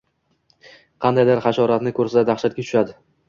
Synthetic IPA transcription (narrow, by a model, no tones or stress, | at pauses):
qʰɑnd̪ajd̪ɪɾχɑʃɒɾat̪nɪkʰɵɾsad̪ad̪aχʃat̪̚ɡʲat̪ʰʊ̥ʃad̪ɪ